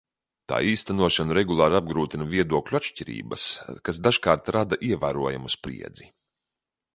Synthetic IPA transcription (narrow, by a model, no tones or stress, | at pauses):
t̪a̰ːiːst̪anuɔʃanuɾɛɡulˠɑːɾab̚ɡɾuːt̪inaviɛd̪uɔklʲuat̪ʃciɾḭːbɐ̰skasd̪aʒkaːɾt̪ɾad̪aʔiɛvæːɾuɔja̰muspɾḭɛd̪zi